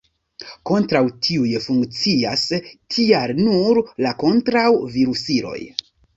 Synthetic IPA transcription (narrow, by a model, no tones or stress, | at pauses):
ko̞ntɾawtʰiujefuŋkt͡sia̰stʰialnuɾlako̞ntɾawviɾusiɾo̞̰j